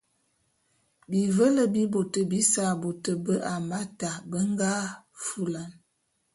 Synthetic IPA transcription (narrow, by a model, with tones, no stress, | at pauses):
bi˨və˦lə˨bi˦bo˨tə˨bi˦sa˨bo˨tə˨bə˦ʔa˨ma˦ta˨bə˦ŋ˦ɡa˦fu˦la˨n